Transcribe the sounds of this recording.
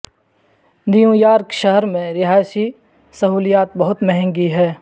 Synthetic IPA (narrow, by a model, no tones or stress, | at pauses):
nijũjaːɾkʃəɦəɾmẽɾɪɦaːjsi | sɐɦuːlijaːt̪̚bɐɦʊt̪mɛɦɛ̃ŋɡiɦɛː